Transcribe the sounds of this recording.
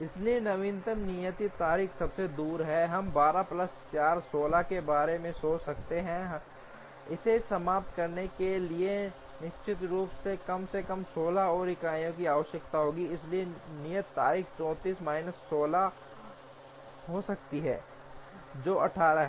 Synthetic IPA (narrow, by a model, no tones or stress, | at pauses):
ɪslienɐʋĩːnt̪əmnijət̪it̪aːɾiːxsɐbsed̪uːɾɦɛɦɐmbaːɾaplɐst͡ʃaːɾsoːlakebaːɾemẽsoːt͡ʃsɐk̚t̪eɦɛ̃ɦ | ɪsesɐmaːp̚t̪kɐɾnekelie | nɪʃt͡ʃɪt̪ɾuːpsekɐmsekɐmsoːlaɔːɾɪkaːjõkiaːʋəʃjəkt̪aɦoːɡiɪslienijət̪ːa̰ːɾiːxt͡ʃɔ̃ːt̪iːsmaːɪnəsːoːla | ɦosɐk̚t̪iɦɛ̰ː | d͡ʒoːɐʈʰaːɾaɦɛ